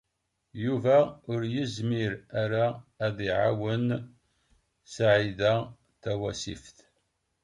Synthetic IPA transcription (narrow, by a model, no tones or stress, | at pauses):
juvæʊɾjəzmiɾæɾaːðiʕawən | saʕiðæ | θæwæsḭfθ